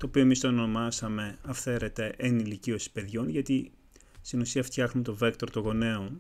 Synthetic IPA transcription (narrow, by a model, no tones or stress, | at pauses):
t̪o̞ːpio̞emist̪oeno̞mɐsɐme̞ɐfθe̞ɾe̞t̪e̞ʔenilicio̞si̥pe̞ðʝo̞nʝɐt̪i | st̪inusiɐft̪çɐxnumt̪o̞vekt̪o̞ɾt̪oɣo̞ne̞on